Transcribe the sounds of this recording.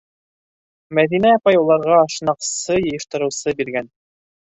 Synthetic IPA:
mæðinæɑpɑjulˠɑɾʁɑʃnɑqsɤjɤ̆jɤ̆ʃt̪ɤ̆ɾɤ̆wsɤbiɾɡæn

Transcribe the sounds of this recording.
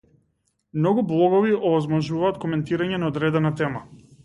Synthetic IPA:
mnɔɡublˠɔɡɔviʔɔvɔzmɔʒuvaːt̪kɔmɛnt̪iɾaɲɛnaɔd̪ɾɛd̪ɛnat̪ɛma

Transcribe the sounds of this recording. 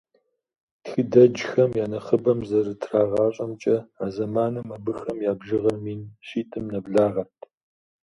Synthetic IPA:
txɨdɐd͡ʒxɐmjaːnɐχəbɐmzɐrɨtʰraːʁɑːɕʼɐmt͡ʃʼɐaːzɐmaːnɨmɐbɨxɐmjaːbʒɨʁɐmiːnɕiːtʰʼɨmnɐbɮaːʁɐtʰ

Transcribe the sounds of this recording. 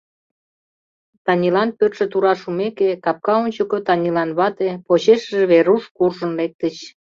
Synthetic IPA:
t̪ɑnʲilɑnpøt̪ʃĕt̪uɾɑʃumekekɑp̚kɑonʲt͡ɕəkot̪ɑnʲilɑnβɑt̪epot͡ɕeʃəʒeβeɾuʃkurʒə̆nlek̚t̪ət͡ɕ

